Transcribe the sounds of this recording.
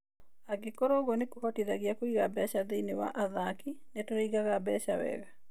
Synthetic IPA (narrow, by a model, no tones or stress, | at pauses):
aɡekoɾoɣɔnekuhɔtiðaɣjakoiɣabɛʃaðeinewa̰ʔaðakinetoɾiiɣaɣabɛʃawɛ̰ɣa